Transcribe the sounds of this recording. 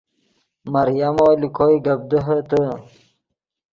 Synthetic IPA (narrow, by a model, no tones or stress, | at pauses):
maɾjamoːlikʰojɡab̚d̪əɦət̪ə